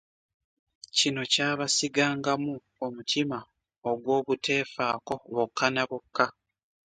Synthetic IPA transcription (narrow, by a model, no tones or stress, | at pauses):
cino̞caːβasiɡaːŋɡamu | omutʰima | oɡwo̞ːβute̞ːfaːko̞βokʰːanaβokʰːa